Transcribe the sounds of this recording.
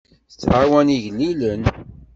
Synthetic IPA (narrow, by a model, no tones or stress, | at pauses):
θə̥t͡sːʕawæniʝnːilən